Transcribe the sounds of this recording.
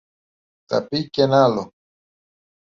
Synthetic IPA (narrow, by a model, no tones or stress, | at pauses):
t̪a̰pikenalo